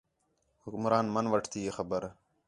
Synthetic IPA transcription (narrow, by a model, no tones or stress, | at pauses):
hukmɾaːnmɐnʋɐʈʰt̪ʰijexɐbəɾ